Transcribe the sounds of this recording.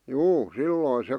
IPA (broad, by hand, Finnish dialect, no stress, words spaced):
juː silːoˑĭn se